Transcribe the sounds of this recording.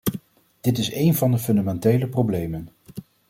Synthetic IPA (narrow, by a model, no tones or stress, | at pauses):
d̥ɪtɪsejnvɑndəfɵndamɛntejləprowblejmən